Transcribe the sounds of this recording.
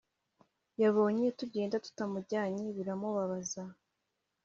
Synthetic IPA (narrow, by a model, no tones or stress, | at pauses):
jaβo̞ːɲeetuɟe̞ːndatu̥tamuɾɟaːɲeβiɾamuβaβaza